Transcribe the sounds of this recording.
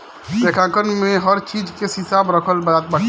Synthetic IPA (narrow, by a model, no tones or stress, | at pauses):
tekʰãkənmẽɦəɾt͡ʃiːd͡ʒkehɪsaːbɾəkʰəlbat̪̚bəɽ